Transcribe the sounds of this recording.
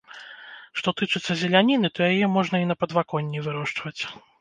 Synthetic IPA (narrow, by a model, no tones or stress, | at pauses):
ʂt̪ɔt̪ɨt͡ʂɨt̪sːɐzʲɛlʲanʲinɨt̪ɔjajɛmɔʐnɐinɐpɐd̪vakɔnʲːivɨɾɔʂt͡ʂvɐt͡sʲ